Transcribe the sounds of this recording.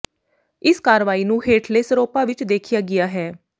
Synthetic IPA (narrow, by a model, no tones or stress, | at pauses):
ɪskaːɾʋaːiːnũːɦeːʈʰleːsəɾoːpaːʋɪt͡ʃd̪eːkʰɪjaːɡɪjaːɦɛː